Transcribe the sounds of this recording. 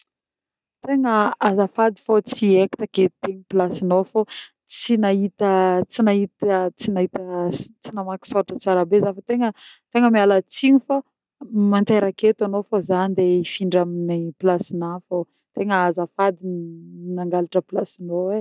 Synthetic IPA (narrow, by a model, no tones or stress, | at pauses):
t̪eŋəazafad̪i̥fot͡sieki̥t̪aket̪eŋipilasinofo | t͡sinaɦit̪ət͡sinaɦit̪t͡sinaɦit̪ət͡sinamaki̥soʈ͡ʂət͡saɾabezafət̪eŋət̪eŋəmialat͡siɲufa | mant̪eɾaket̪anofozanid̪eifiɳɖ͡ʐaminiplasinafo | t̪eŋəazafad̪iniminaŋɡalaʈ͡ʂəplasinowe